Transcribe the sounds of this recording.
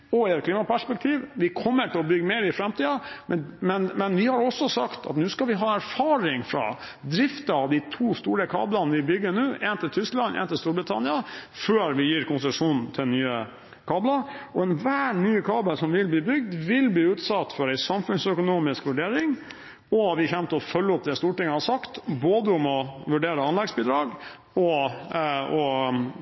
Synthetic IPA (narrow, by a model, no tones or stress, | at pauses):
ɔɛːət̪̚kʰliːmɑpæʂpɛk̚t̪ʰiːʋʋɪkʰɔmːəʈʰɪlɔbʏɡːmeːɾɪfɾɛmt̪iːɑmɛmɛnmɛnʋɪhɑɾɔsːɔsɑkt̪ʰɑ̰t̪nʉːskɑlʋɪɦɑːæɾfɑːɾɪŋfɾɑ̰ | d̪ɾɪft̪əɑʋd̪ɪt̪ʰuːst̪uːɾəkʰɑ̰ːblɑnʋɪbʏɡːənʉːʔɛnt̪ɪlt̪ʰʏsklɑnɛ̰ːnt̪ɪlst̪uːɾbɾɪt̪ʰɑnɪɑføːɾʋɪjiːɾkʰʊnsəʂuːnn̩t̪ʰɪlnyːə | kʰɑːblɑɔɛnʋæːɳyːkʰɑːbəlsɔmʋɪlbliːbʏɡ̚d̪ʋɪlbliːʉːt̪sɑt̪ːfɔɾæɪsɑmfʉnsœkʊnuːmɪskʋʉɖeːɾɪŋ | ɔʋɪçɛmt̪əɔfœlːəʊp̚d̪ɛst̪uːʈɪŋːəhɑsɑkt̪boːd̪əʊmɔʋʉɖeːɾəɑnlɛɡsbiːd̪ɾɑːɡ | ɔ | ɔ